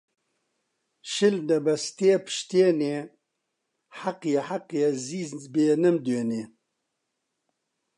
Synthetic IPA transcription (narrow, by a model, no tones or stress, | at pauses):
ʃɪld̪ɐbɐst̪eːpʰʃt̪eːneː | ħaqjaħaqjeziːzbeːnəmd̪eːneː